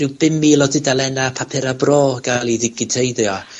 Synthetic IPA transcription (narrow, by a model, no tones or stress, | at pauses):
rɪwbɪmilˠɔdɪdalˠɛnapʰapʰɛɾabroːɡ̥alˠiðɪɡʰɪtʰejðjɔ